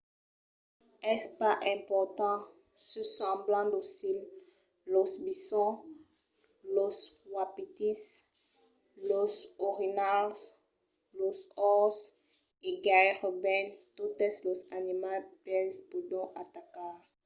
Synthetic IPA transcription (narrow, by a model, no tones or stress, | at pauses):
ɛspaʔɛ̃pɔʁt̪ɑ̃ | səsɑ̃blɑ̃d̪osil | lɔsbisɔ̃ | loswapit̪is | losoʁinals | losɔs | eɡaʁɔbɛ̃nt̪ot̪ɛslɔzanimalpɛnspud̪ɔ̃ʔat̪akaʁ